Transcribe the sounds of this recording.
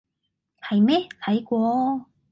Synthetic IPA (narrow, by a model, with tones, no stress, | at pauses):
hɐ˨jmɛː˥t̪ʰɐ˨˥jkʷɔː˧